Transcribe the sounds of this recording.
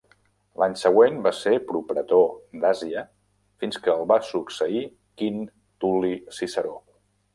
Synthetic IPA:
laɲsəɣwenbasepɾupɾət̪od̪aziə | finskəːlˠβasuksəi | kin | t̪ulisisəɾo

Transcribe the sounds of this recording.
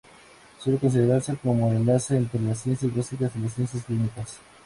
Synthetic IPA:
sweleko̞ns̬iðeɾaɾsekomoaɾend̪aɾseːnt̪ɾelas̬je̞nsjaasikasilasje̞nsjasklinikas

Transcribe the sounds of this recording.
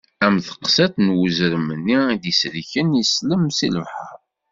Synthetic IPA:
æmθə̥qsæθnwəzɾəmənːiid̪islçənjisləmsiləvħə̰ɾ

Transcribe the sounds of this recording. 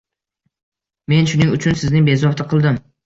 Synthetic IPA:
me̞nʃʊnɪŋʊt͡ʃʰʊnsɪznɪŋbe̞zɒft̪ʰɪqʰɨlˠd̪ɪm

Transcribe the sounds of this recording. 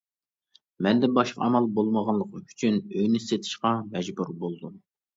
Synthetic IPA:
mɛnd̪ɛbɑʃqɑ̰ɑmɑlˠbolˠməʁɑnlˠəqʰəmyt͡ʃʰynøjnɪset̪ʰɪ̥ʃqɑmɛd͡ʒbuɾbolˠd̪um

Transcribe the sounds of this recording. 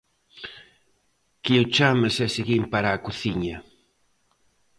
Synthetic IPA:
kiut͡ʃamasɛseɣimpaɾaːkuθiɲɐ

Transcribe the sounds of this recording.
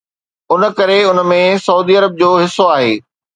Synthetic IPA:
ʊnəkɐɾeʊnəmẽsɐuːd̪iɐɾəb̚d͡ʑoːɦɪsːoaːɦeː

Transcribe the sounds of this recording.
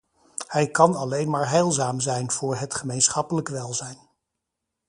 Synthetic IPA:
hɛjkɑnɑlejnmaːɹɦɛjlˠzaːmzɛjnv̥ʊːɹɦətχəmejnsχɑpələkʋɛlˠzɛjn

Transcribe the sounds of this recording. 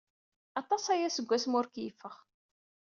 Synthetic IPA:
ɑt̪ˤɑsæjæsəɡʷːæsmʊɾkjəfːəχ

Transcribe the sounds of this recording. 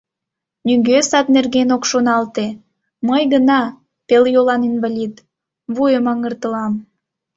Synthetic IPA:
nyŋɡøsɑt̪̚nerɣenokʃonɑlt̪e | məjɣənɑ | peljolɑninvalʲid̪ | βujəmɑŋərt̪əlɑm

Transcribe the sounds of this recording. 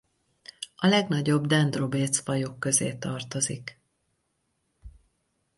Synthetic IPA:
ɒlɛɡnɒɟo̞bd̪ɛnd̪ro̞beːt̪sfɒjo̞kːø̞zeːt̪ɒrt̪o̞zik

